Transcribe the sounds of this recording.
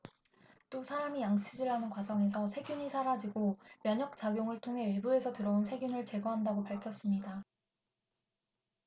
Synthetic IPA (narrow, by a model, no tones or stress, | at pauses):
t͈osʰaɾamijaŋt͡ɕʰid͡ʑiɭɦanɯnkwad͡ʑʌŋe̞sʰʌsʰe̞ɡjuɲisʰaɾad͡ʑiɡomjʌɲʌk̚t͡ɕ͈aɡjoŋɯɭtʰoŋɦe̞we̞bue̞sʰʌtɯɾʌonsʰe̞ɡjunɯɭt͡ɕe̞ɡʌɦandaɡopaɭkʰjʌs͈ɯmɲida